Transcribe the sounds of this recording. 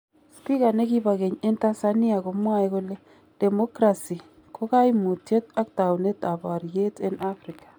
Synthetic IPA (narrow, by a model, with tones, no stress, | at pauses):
spi˦ka˨ne˦ki˦ba˨ɣe˨ɲe˦nta˦sani˦a˨ko˨mwa˦jkʊ˦le˦ | d̥ɛ˨mo˦kɾa˨si˨ | kʰo˦ka˦imu˨tje˦ta˦k̚ta˨wne˦ta˨ba˨ɾje˦te˦nʔa˦fɾɪkḁ˨